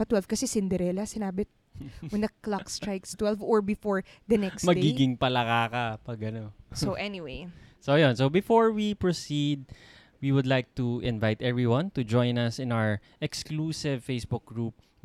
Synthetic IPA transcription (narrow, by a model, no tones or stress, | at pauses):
pɐt̪wɛlvkɐsɛsɪnd̪ɛɾɛlɐsɪnaːbɪ | wɛnd̪ɐklakst̪ɹajkst̪wɛlvɔɹbɪfɔɹ | d̪ɐnɛksmmɐdɡiɡɪŋpɐlɐkaːkapɐɡɐnosoʔɛniwejsojonsobɪfoɹwipɹosid̪̚ | wiwʊd̪lajk̚t̪uʔɪ̃nvajt̪ɛvɹiwɐ̃nt̪ud͡ʒɔ̃jnɐsɪ̃nawəɹ | ʔɛksklusɪvfejsbʊk̚ɡɹup̚